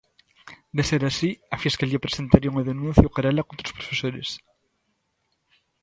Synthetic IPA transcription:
d̪eseɾasiafjeskaliapɾesent̪aɾiuŋaðenũn̟θjukaɾalakont̪ɾospɾofesoɾes

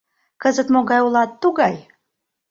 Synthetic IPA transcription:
kɤzət̪moɣɑjulɑt̪ːuɣɑj

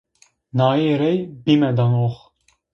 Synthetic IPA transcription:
naːjɛɾɛjbimɛd̪anoχ

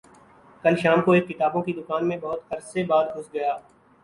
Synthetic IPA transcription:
kɐlʃaːmkoeːkːɪt̪aːbõkid̪ʊkaːnmẽbɐɦʊt̪hɐɾsebaːd̪ɡʱʊsɡɐjaː

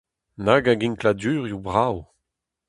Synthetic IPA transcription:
naɡaɡĩnkladyːʁjubʁaw

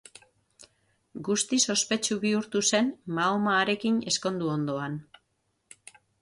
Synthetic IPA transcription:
ɡust̪iso̞spe̞t͡ʃuβiuɾt̪use̞nmaomaːɾe̞kine̞sko̞nd̪uo̞nd̪o̞an

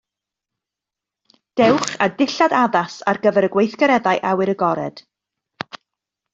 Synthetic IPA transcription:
d̥ɛwχadɪɬadaðasa̰rɡəvɛɾəɡwejθɡəɾɛðajʔawɨɾəɡɔɾɛ̰d̥

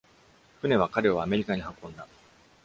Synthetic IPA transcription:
kɯ̟ne̞β̞akaɾe̞βaːme̞ɾʲikaɲ̟ihakõ̞nd̪a

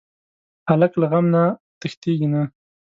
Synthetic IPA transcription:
alaklaɣamnat̪əxt̪eɡina

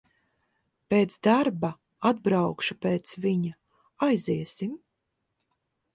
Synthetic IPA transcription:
peːt̪sd̪aɾba | ad̪̚bɾawkʃupeːt̪sviɲa | ajziɛsim

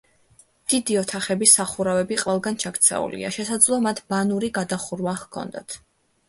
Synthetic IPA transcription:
d̪̥id̪iɔt̪ʰaχɛbisaχuɾavɛbiqʼvɛlˠɡant͡ʃʰakt̪sʰɛ̰ṵlḭa̰ʃɛsad̪zlˠɔmat̪ʰbanuɾiɡad̪aχuɾwaχkʰɔ̰nd̪at̪ʰ

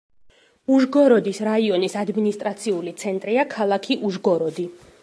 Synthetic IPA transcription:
uʒɡɔɾɔd̪isɾaiɔnisad̪minist̪ʼɾat̪sʰiulit̪sʰɛnt̪ʼɾiakʰalˠakʰiʔuʒɡɔɾɔd̪i

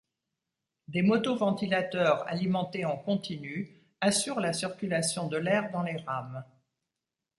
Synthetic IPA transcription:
d̪emɔt̪ovɑ̃t̪ilat̪œʁa̰limɑ̃t̪eɑ̃kɔ̃t̪iny | asyʁlasiʁkʲylasjɔ̃d̪əlɛʁd̪ɑ̃leʁam

